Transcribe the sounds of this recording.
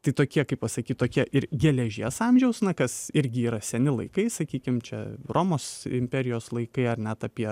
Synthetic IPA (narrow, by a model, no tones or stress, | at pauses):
t̪ɐɪt̪oːkʲiɛkɐɪpɐsɐkʲiːt̪̚t̪oːkʲiɛʔɪɾɡʲɛlʲɛʒʲiɛsɑmʲʒʲɛʊsnɐkɐsɪɾʲɡʲɪiːɾɐsʲɛnʲɪlˠɐɪkɐɪsɐkʲiːkʲɪmt͡ʃʲɛ̰rʔoːmoːsɪ̰mʲpʲɛɾʲɪjoːslˠɐɪkɐɪɐrnʲɛt̪ɑpʲiɛ